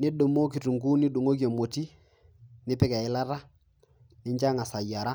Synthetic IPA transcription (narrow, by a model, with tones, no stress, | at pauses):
nɪ˦ɗo˨mo˦k̬i˨tu˨ŋɡu˦nɪ˦ɗu˨ŋo˦k̬i˦a˨mo˨ti˦ | nɪ˦pɪ˦ka˨ɪ˦la˦ɾa˦ | nɪ˦ɲd͡ʒa˦ŋa˨sa˨ja˨ɾa˦